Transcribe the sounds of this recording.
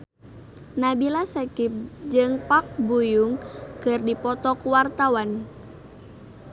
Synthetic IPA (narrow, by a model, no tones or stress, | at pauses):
nabilasəkip̚d͡ʒɨŋpak̚bujuŋkɨrdipɔt̪ɔkuwart̪awan